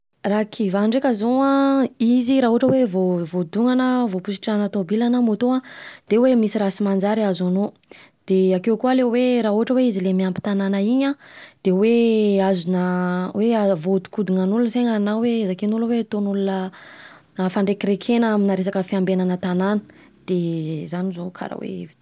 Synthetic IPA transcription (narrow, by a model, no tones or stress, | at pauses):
rakʰivaɳɖ͡ʐekʲazoãiziɾaɦuʈ͡ʂəwevovod̪uŋanəvopusi̥ʈ͡ʂanat̪obilanəmot̪oad̪̥ewemisiɾasimand͡ʒaɾiazano | d̪̥eakewkualeweɾaɦoʈ͡ʂəweizilemiampi̥t̪ananəiɲad̪̥eweazunəweavout̪u̥kud̪iŋanulunəseɲanawezakenuləwet̪onulunə | faɳɖ͡ʐekiɾekʰenəaminaɾes̬akəfiambenanət̪ananə̥ | d̪̥ezanizokʰa̰ɾa̰wḛvi